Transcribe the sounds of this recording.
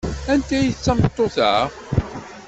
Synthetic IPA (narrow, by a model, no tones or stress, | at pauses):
ænt̪æjəθt͡sːɑmət̪ˤːoθə̰